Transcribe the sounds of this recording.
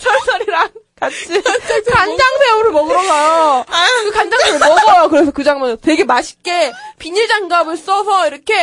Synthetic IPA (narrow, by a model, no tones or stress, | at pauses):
t͡ɕʰʌɭs͈ʌɾiɾaŋkat͡ɕʰikand͡ʑaŋbeɾɯɭmʌŋɡʌɡajokɯkand͡ʑaŋbeɾɯɭmʌŋɡʌjokɯɾe̞sʰʌkɯd͡ʑaŋmʌntwe̞ɡe̞maɕʰi̥k͈e̞piɲiɭd͡ʑaŋɡamɯɭs͈ʌsʰʌiɾʌkʰe̞